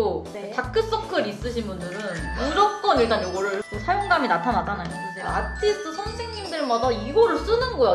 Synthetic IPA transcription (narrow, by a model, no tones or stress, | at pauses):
o | t͡ɕak̚k͈ɯs͈ʌkʰɯɾis͈ɯɕʰinbundɯɾɯnɯɾʌk͈ʌniɭt͈anjoɡʌɾk͈osʰajoŋɡaminatʰanatʰanajo | atʰit͈ʰosʰʌŋsʰeŋɲimdɯɭmadaiɡʌɾɯɭs͈unɯnɡʌjo